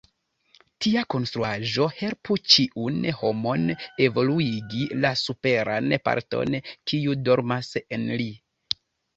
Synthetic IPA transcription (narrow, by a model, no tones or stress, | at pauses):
tiako̞nst̪ɾuaʒo̞he̞lput͡ʃiʔunho̞mo̞ne̞vo̞luiɡilasupe̞ɾanpa̰ɾto̞̰nkiudo̞ɾmase̞nli